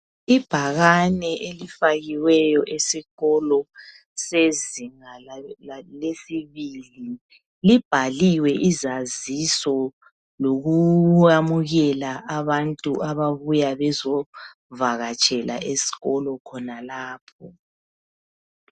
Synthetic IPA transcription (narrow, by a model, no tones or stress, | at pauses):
ib̥ʱaɣanɛʔelifaɣiwɛjɔʔesiɣɔlɔ | seziŋa | lesiβili | lib̥ʱaliwɛʔizazisɔ | loɣuamuɣɛlaʔaβantʼuʔaβaβujaβɛzɔ | vaɣat͡ʃʼɛla̰ʔesi̥ɣɔlɔkʰɔnalaːpʰɔ